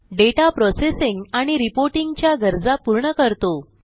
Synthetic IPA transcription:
ɖeʈapɾɔsesiŋɡaɽ̃iɾipoɾʈiŋɡt͡ɕjaɡəɾd͡zapuɾɳəkəɾt̪o

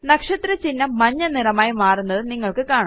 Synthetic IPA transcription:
nɐkʂɐt̪ɾɐt͡ɕinːɐmɐɲːɐnirɐmaːjimaːrunːɐðɨniŋːɐɭkɨkaːɳɐ

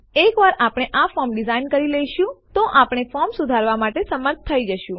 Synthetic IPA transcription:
ekʋaɾapɽ̃eʔafɔɾmɖizainkəɾiləiʃũt̪oʔapɽ̃efɔɾmsud̪ʱaɾʋamaʈesəməɾt̪̚ʰt̪ʰːəid͡ʒəʃũ

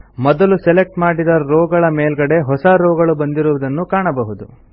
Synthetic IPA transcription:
mɔd̪ɐlusɛlek̚ʈmaːɽid̪ɐɾɔːɡɐɭɐmeːlɡɐɽe̞ɦɔsɐɾɔːɡɐɭubɐnd̪iɾuʋɐd̪ɐnːukaːɳɐbɐɦud̪u

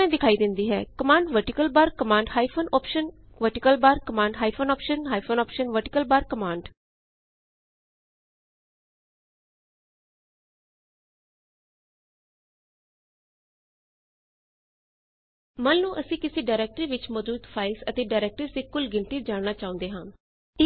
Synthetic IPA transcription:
ɛ̃ːd̪ɪkʰaːiːd̪ɪnd̪iːɦɛ̰ːkəmãːɳɖʋəɾʈɪkəlbaːɾkəmaːɳɖhaːipʰonɔːpʃən | ʋəɾʈɪkəlbaːɾkəmãːɳɖɦaːipʰonɔːpʃənɦaːipʰoːnɔːpʃənʋəɾʈɪkəlbaːɾkəmãːɳɖ | mənːũːʔəsĩːkɪseːɖaːɪɾɛːk̚ʈɾiːʋɪt͡ʃməduːt̪pʰaːɪsət̪eːɖaːɾɛːk̚ʈəɾsiːkʊlɡɪnʈiːd͡ʒaːnnaːt͡ʃaːʊ̃nd̪eːɦãː

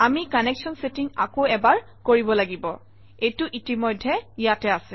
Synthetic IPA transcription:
amikaneksɔnsetiŋa̰koɛbaɹ | koɹibɔlaɡibɔ | ejtʊʔitimɔjdʱːɛjatɛasɛ

